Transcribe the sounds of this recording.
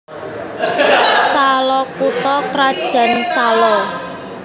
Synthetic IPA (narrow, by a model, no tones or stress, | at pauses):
salɔkut̪ɔkɾad̥ʒ̥a̤nsalɔ